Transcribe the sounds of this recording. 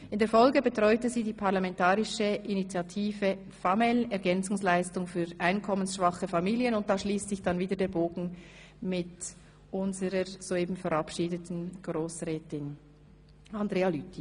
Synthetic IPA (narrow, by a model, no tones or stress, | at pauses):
ʔɪndeːɐfɔlɡəbətʁ̥ɔʏtəziːdiːpʰaʁlɑmɛntaːʁɪʃəʔinit͡sjatʰiːvə | famɛlɛɐʁɡɛnt͡sʊŋslaɪstʊŋfyːʔaɪnkʰɔmənsʃv̥ɑχəfɑmiːljənʊnt̚d̥aːʃliːstz̥ɪçd̥ɑnviːdəɐdeːɐboːɡn̩ | mɪt | ʔʊnzəʁəz̥oeːbm̩fɛʁɑpʃiːdətn̩ɡ̥ʁoːsʁɛːtɪn | ɑndʁeːɑlytʰi